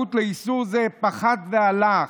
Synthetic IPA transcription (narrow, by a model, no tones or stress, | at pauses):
ut̪leisuʁzepaχad̪veala